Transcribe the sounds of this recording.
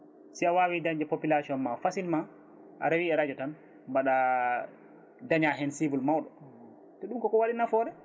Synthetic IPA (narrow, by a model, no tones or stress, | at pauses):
siawawidaɲd͡ʒɛpopilasiɔnmafasilma | ʔa̰ɾewiɛɾad͡ʒɔtan | mbaɗa | daɲaɦɛnsivulmawɗɔ | tɔɗumkɔkɔwaɗinafɔɾɛ